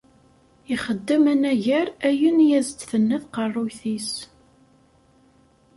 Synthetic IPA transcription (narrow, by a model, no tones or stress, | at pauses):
iχəd̪ːəmənæʝæɾæjənjæzt̪θənːəθqərˤːʊjθis